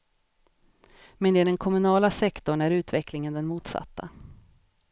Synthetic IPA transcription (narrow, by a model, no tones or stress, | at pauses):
mɛnd̪ɛːd̪ɛnkʰɔmɵnɑːlasɛkt̪ɔɳæɾʉ̟ːt̪vɛklɪŋənd̪ɛnmuːt̪sa̰t̪ːa